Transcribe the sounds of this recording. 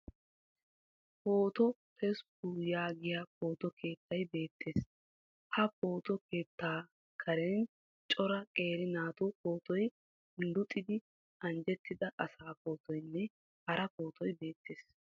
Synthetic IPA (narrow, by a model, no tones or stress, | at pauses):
po̞ːt̪ɔtʰɛskujaːɡɪjaːpo̞ːt̪ɔkʰe̞ːt̪ʰːɐjbe̞ːt̪ʰːe̞ːs | hɐpo̞ːt̪ɔke̞ːt̪ːaː | kʰɐɾɛn | t͡ʃʼɔɾɐkʼe̞ːɾɪnaːt̪ʊpo̞ːt̪ɔj | nd̪ʊt̪ʼːɪd̪ɪ | ɐnd͡ʒɛt̪ːɪd̪ɐʔɐsaːpo̞ːt̪ʰɔjnːɛ | hɐɾɐpo̞ːt̪ʰɔjbe̞ːt̪ːe̞ːs